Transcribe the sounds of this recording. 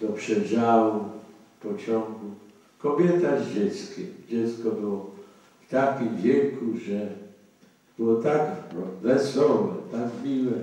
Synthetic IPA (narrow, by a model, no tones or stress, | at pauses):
d̪ɔpʂɛd͡ʑawu | pɔt͡ɕɔŋɡu | kɔbʲjɛt̪azd͡ʑɛt̪skʲid͡ʑɛt̪skɔbɘwɔ | ft̪akʲimvʲjekuʐɛ | b̥ɘwɔt̪akvɛsɔvɛt̪akmʲiwɛ